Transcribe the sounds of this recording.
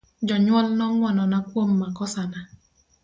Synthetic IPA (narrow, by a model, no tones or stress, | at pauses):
d͡ʒɔɲwɔlnɔŋwɔnɔnakwomːakɔsana